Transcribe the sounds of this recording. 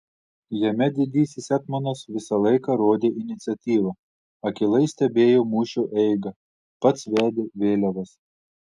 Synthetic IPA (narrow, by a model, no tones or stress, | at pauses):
jɛmʲɛd̪ʲɪd̪ʲiːsʲɪsɛt̪mɐnɐsʋʲɪsɐlˠɐɪkɐɾoːd̪ʲeːʔɪnʲɪt̪sʲɐt̪ʲiːʋɐ | ɐkʲɪlˠɐɪsʲt̪ʲɛbʲeːjoːmuːʃʲoʔɛɪɡɐ | pɐt̪sʋʲæːd̪ʲeʋʲeːlʲɛʋɐs